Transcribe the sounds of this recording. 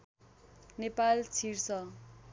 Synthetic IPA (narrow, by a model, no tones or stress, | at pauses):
nepalt͡sʰirsʌ